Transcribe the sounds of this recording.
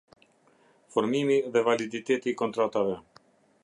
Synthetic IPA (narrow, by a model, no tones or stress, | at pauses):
fɔɾmimiðɛvalid̪it̪ɛt̪iːkɔnt̪ɾat̪avɛ